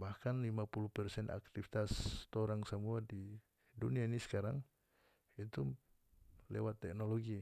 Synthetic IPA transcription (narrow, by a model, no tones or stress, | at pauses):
bahkanlimapulupɛrsɛnʔa̰k̚t̪ifit̪ast̪ɔɾaŋsamuadi | duniainisə̥kaɾaŋ | it̪u | lɛwat̪ːɛk̚nɔlɔɡi